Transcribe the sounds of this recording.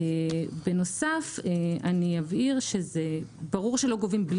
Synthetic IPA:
beno̞safeanijaviʁʃe̞zebaʁuʁʃe̞loɡo̞vimbl

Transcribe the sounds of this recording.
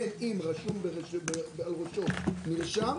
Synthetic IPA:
enimʁaʃumbeʁebebealʁoʃoniʁʃam

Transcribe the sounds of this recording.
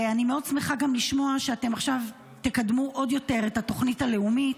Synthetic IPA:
animeo̞dsmeχaɡamliʃmo̞aʃeate̞maχʃav | t̪ekadmuʔo̞djo̞te̞ʁetato̞χnitale̞umit

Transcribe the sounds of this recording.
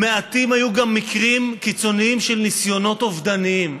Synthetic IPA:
meat̪imhajuɡamːikʁimkit͡so̞niimʃe̞lnisjo̞no̞t̪o̞vd̪aniim

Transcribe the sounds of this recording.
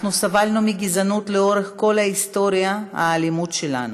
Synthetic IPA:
nusavalnumiɡizanut̪leoɾeχko̞laist̪oɾijaa̰ːlimut̪ʃela̰nu

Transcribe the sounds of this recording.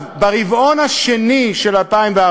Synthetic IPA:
vbaʁivʔo̞nhaʃeniʃe̞lalpaimvea

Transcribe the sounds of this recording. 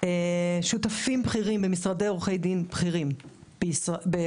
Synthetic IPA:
eʃutafimbχiʁimbemisʁadeʁuχe̞jdinbχiʁim | b̥eisbe

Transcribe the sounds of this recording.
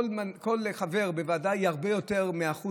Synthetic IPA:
lmanko̞lχave̞ʁbevaːdajhaʁbejo̞te̞ʁmeaχu

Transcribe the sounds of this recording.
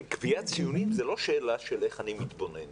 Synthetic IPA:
kviat͡sijunimzelo̞ʃeːlaʃeleχanimit̪bonen

